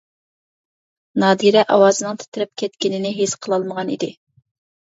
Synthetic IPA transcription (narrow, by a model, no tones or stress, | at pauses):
nɑːd̪iɾɛʔɑwɑːzɨnɨŋt̪ʰe̥t̪ʰɪɾɪp̚kʲʰɛt̪kʲɪnɪnɪɦesqʰəlˠɑlˠməʁɑnḭd̪ɪ